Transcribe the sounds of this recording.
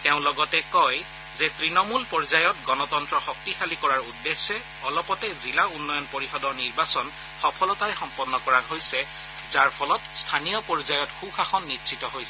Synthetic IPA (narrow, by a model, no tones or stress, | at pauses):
tɛʊ̃lɔɡɔtɛkɔj | zɛtɹinɔmulpɔɹzajɔtɡɔnɔtɔntɹɔxɔk̚tixalikɔɹaɹudːesːɛ | ɔlɔpɔtɛzilaunːɔjɔnpoɹixɔdɔniɹbasɔn | xɔpʰɔlɔtaɹɛxɔmpɔnːɔkɔɹaɦojsɛ | zaɹpʰɔlɔtstʰanijɔpɔɹizajɔtxuxʰaxɔnːitsʰitɔɦojsɛ